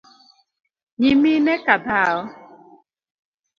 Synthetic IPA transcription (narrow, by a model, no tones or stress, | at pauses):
ɲiminekabaːɔ